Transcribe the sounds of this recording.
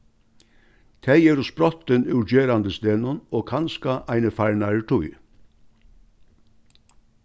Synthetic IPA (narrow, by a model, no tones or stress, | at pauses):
t̪ʰæɪjeːɾʊspɾɔt̪ənʉːd͡ʒeːɾɑnd̪əst̪eːnʊnoːkʰɑnskɑʔæɪnəfæɹɳɑəʈʰʊʏ